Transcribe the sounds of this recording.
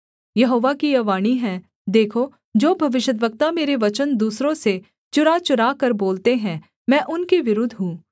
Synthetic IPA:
jɐɦoːʋakiɐʋaːɽ̃iɦɛ | d̪eːkʰo | d͡ʒoːbʱɐʋɪʃəd̪ʋək̚t̪ameːɾeʋɐt͡ʃənd̪uːsɾõse | t͡ʃʊɾat͡ʃʊɾakɐɾboːlt̪eɦɛ̃ː | mɛ̃ːʔʊnkeʋɪɾʊːd̪ʱɦũː

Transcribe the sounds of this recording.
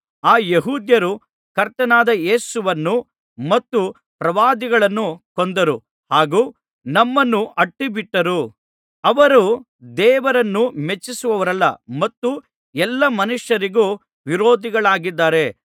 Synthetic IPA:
aːjeɦuːd̪jɐɾu | kɐɾt̪ɐnaːd̪ɐje̞ːsuʋɐnːu | mɐt̪ːu | pɾɐʋaːd̪iɡɐɭɐnːukond̪ɐɾu | haːɡuː | nɐmːɐnːuʔɐʈːibiʈːɐɾu | ɐʋɐɾu | d̪ɛːʋɐɾɐnːumet͡ʃːisuʋɐʋɐɾɐlːɐ̰mɐt̪ːu | ɛlːɐmɐnuʂjɐɾiɡuː | ʋiɾo̞ːd̪iɡɐɭaːɡid̪ːaːɾe̞

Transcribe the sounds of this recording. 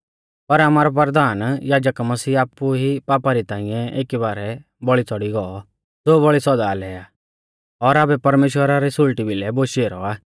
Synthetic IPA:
pɐɾɐmaːɾɔpɐɾd̪aːnjaːd͡ʒəkmɐsiːaːpːuɦipaːpaɾit̪ãːɪ̃jɛ̃eːkibaːɾɛ | bɔɭit͡sɔɽiɡɔɔ | d͡zoːβɔɭisɔd̪alɛːaː | ɔɾaːbɛpɐɾmeːʃwəɾaɾisʊlʈibɪlɛboːʃieːɾɔ̰aː

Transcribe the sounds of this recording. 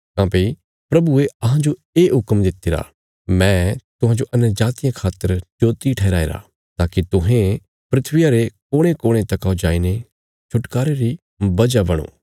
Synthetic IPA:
kãːpei | pɾɐbueɐɦãd͡ʒo | eːɦʊkmd̪ɪt̪ːeːɾa̰ | mɛ̃ːt̪ʊɦãd͡ʒoʔɐnəɾd͡ʒaːt̪ɪjãkʰaːt̪ːəɾd͡ʒoːt̪iʈʰɛːɾaːḛːɾa̰ | t̪aːkit̪ʊɦẽ | pɾɪt̪ʰʋɪjaɾekoːɽ̃ẽkoːɽ̃ẽt̪ɐkaod͡ʒaːine | t͡ʃʰʊʈkaːɾeɾi | bɐd͡ʒabɐɽ̃õ̰ː

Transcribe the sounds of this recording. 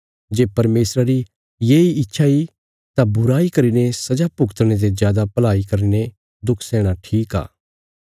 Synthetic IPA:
d͡ʒeːpɐɾmeːsɾaɾi | jeːiɪtːʃʰai | t̪abʊɾaːikɐɾiːnesɐd͡ʒapʊkt̪ɽ̃et̪̬ezjaːd̪apɐlaːikɐɾine | d̪ʊkʰsɛːɽ̃aʈʰiːka̰ː

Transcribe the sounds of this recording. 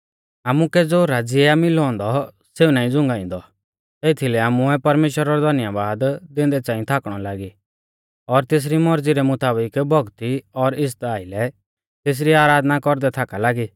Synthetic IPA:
aːmukɛd͡zoːɾad͡ziɛamɪlɔ̃ːnd̪ɔ | seːunaːĩd͡zʊ̃ŋɡaːĩnd̪ɔ | eːt̪ʰilɛaːmuɛpɐɾmeːʃwəɾaɾɔd̪ʱɐnjabaːd̪d̪ɪ̃nd̪ɛt͡sãːĩt̪ʰaːkɽ̃ɔlaːɡi | ɔɾt̪eːs̬ɾimɔɾd͡ziɾɛmʊt̪aːbɪkbʱɔɡt̪iɔɾɪs̬t̪aːilɛ | t̪eːs̬ɾiaːɾaːd̪nakɔɾd̪ɛt̪ʰakalaːɡi

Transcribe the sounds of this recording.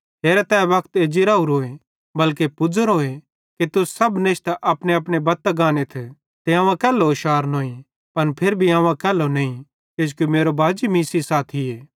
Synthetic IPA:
ɦeːɾɛt̪ɛ̃ːʋɐkt̪eːd͡ʒiɾaːuɾoːe | bɐlkepʊd͡zəɾɦoːe | kit̪ʊsɐbnɪʃt̪ʔɐpɽeɐpɽ̃ebɐt̪ːɡãːnet̪ʰ | t̪eãːʋ̃ãkɛːlːoʃaːɾnoːĩ | pɐnpʰeɾbʱiãːʋ̃ãkɛːlːonɐĩ | ked͡ʒkjomeːɾobʱaːd͡ʒimiːsisaːt̪ʰɪeː

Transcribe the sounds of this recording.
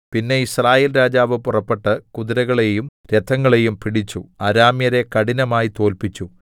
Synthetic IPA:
pinːe̞israːjeːlɾaːd͡ʑaːʋɨpurɐpːe̞ʈːɨkuðiɾɐɣɐɭe̞jumɾed̪ʰʱːɐŋːɐɭe̞jumpiɽit͡ɕːuɐɾaːmjɐɾe̞kɐɽinɐmaːjit̪o̞ːlpit͡ɕːu

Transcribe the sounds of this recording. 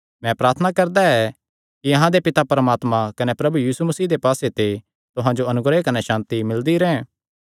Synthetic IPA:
mɛ̃pɾaːɾt̪ʰənakɐɾd̪aɛ | kiɐɦãd̪epɪt̪apɐɾmaːt̪mãkɐnepɾɐbujiːsumɐsiːd̪epaːset̪e | t̪ʊɦãd͡ʒoɐnʊɡɾekɐneʃãːnt̪imɪld̪iɾɛ̃ːɛ̃

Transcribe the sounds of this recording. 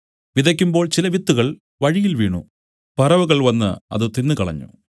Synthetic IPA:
ʋiðɐkʲːumbo̞ːɭt͡ɕilɐʋit̪ːuɣɐɭ | ʋɐɻijilʋḭːɳṵ | pɐrɐʋuɣɐɭʋɐnːɨ̰ɐ̰ðɨt̪inːɨkɐɭɐ̰ɲːṵ

